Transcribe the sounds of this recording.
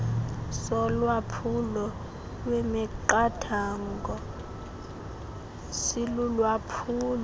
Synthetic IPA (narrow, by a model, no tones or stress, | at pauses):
sɔlwapʰulɔ | lwɛmɛǃatʰaŋɡɔ | silulwapʰuːl